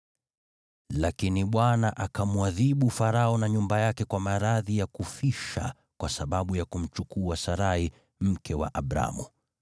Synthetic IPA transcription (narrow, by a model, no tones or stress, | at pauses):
lakiniɓwanaʔakamwaðiɓufaɾaɔnaɲumbajakɛkwamaɾaðijakufiʃa̰ | kwasaɓaɓujakum̩t͡ʃukuasaɾai | m̩kɛwa̰ʔaɓɾa̰mu